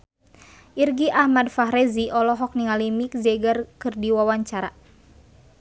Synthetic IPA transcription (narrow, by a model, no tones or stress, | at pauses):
ʔirɡiʔahmadfaɦɾɛziʔɔlɔɦɔk̚niŋalimik̚zɛɡarkɨrdiwawaɲt͡ʃaɾa̰